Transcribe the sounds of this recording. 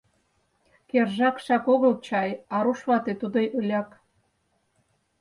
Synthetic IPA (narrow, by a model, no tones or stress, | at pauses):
kerʒɑkʃɑkoɣəlt͡ɕɑjɑɾuʃβɑt̪et̪ud̪ojʔølʲɑk